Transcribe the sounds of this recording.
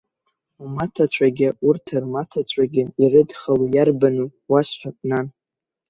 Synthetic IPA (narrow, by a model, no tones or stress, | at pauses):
umatʰat͡ɕʷʰaɡʲɪurtʰarmatʰat͡ɕʷʰaɡʲɪirɨdχalujarbanuwasħʷᶣapʼnan